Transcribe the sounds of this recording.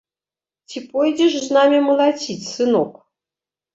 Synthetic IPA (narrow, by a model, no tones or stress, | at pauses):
tʲipojdʲeʂznamʲiməlˠat͡sʲitʲsɨnok